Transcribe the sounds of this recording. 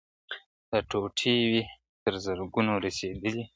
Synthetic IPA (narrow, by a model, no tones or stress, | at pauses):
d̪̥əʈoʈʰiwi | t̪əɾzəɾɡunoɾased̪əli